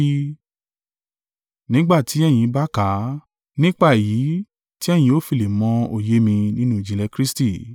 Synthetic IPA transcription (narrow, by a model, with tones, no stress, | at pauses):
nĩ˨˦ɡ͡ba˦˨ti˨˦ɛ˦˨j̃ĩ˨˦ba˦ka˨˦ | nĩ˦k͡pa˦˨ji˨˦ | ti˦ɛ˦˨j̃ĩ˧o˨˦fi˨le˨mɔ̃˧o˧˨je˦mĩ˧nĩ˦nũ˦i˦˨d͡ʒĩ˧lɛ˧kɾi˦sti˦˨